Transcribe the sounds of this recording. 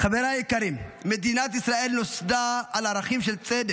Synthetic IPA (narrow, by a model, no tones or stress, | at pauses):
χaveɾaikaɾimːed̪inat̪isɾaelnosd̪aːlaɾaχimʃelt͡sʼed̪ek